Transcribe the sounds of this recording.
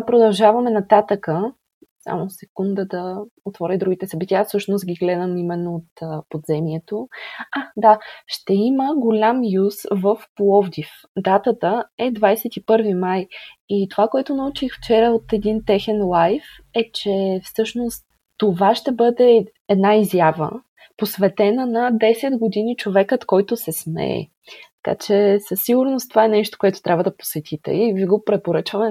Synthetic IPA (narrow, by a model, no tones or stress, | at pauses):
pɾod̪ɐlˠʒavɐmɛnɐt̪at̪əkə | sa̰mosɛkund̪əd̪ɐot̪vɔɾid̪ɾuɡʲit̪ɛsɐbit̪ʲiafsɤʃnost̪ɡʲiɡlɛd̪əmimɛnːoot̪ːpod̪zɛmiɛt̪oad̪aʃt̪ɛiməɡolʲamjusvəfplˠɔvd̪if | d̪at̪ət̪əɛd̪vajsɛt̪ipɤɾvimajit̪ovakoɛt̪ʊnɐut͡ʃixft͡ʃɛɾəot̪ɛd̪int̪ɛxɛnlˠajf | ɛt͡ʃɛfsɤʃnost̪ː | ovaʃt̪ɛbɤd̪ɛ | ɛd̪naizjavə̰ | posvɛt̪ɛnənɐd̪ɛsɛd̪ɡod̪init͡ʃovɛkət̪kɔjt̪ʊsɛsmɛ̰ɛ̰ | t̪ɐ̥ka̰t͡ʃɛsəsːiɡʊɾnost̪ovaɛnɛʃt̪o̥koʊɛt̪ʊ̥t̪ɾʲʔabvəd̪ɐpo̥sɛt̪ʰit̪ɛ̰iviɡopɾɛpoɾɤt͡ʃvəmɛ